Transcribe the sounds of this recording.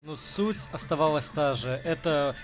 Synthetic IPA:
nusutʲɐst̪ɐvalˠəsʲt̪aʐɨʔɛt̪ə

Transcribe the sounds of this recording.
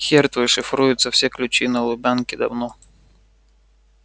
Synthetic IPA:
xʲɛrt̪vɨʂɨfɾujʊt̪sɐfsʲɛklʲʉt͡ɕinɐlˠʊbʲankʲɪd̪ɐ̰vnɔ

